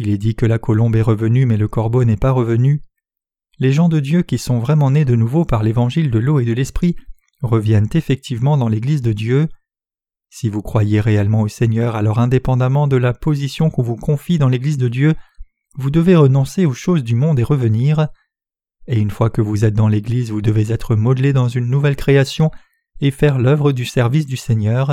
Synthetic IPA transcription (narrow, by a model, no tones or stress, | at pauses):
ilɛd̪ikəlakɔlɔ̃bɛʁəvənymɛləkɔʁbonɛpaʁəvəny | leʒɑ̃d̪əd̪jøkʲisɔ̃vʁɛmɑ̃ned̪ənuvopaʁlevɑ̃ʒild̪əloed̪əlɛspχi | ʁəvjɛnt̪efɛk̚t̪ʰivmɑ̃d̪ɑ̃leɡlizd̪əd̪jø | sivukχwajeʁeɛlmɑ̃osɛɲœʁalɔʁɛ̃d̪epɑ̃d̪amɑ̃d̪əlapozisjɔ̃kɔ̃vukɔ̃fid̪ɑ̃leɡlizd̪əd̪jø | vud̪əveʁənɔ̃seoʃozd̪ymɔ̃d̪eʁəvəniʁ | eynfwakəvuzɛt̪̚d̪ɑ̃leɡlizvud̪əvezɛt̪χəmɔd̪led̪ɑ̃zynːuvɛlkχeasjɔ̃ | efɛʁlœvʁəd̪ysɛʁvis̬d̪ysɛɲœːʁ